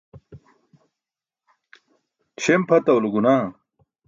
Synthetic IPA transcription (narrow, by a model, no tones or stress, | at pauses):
t͡ɕʰempʰɐt̪ɐwluɡunaː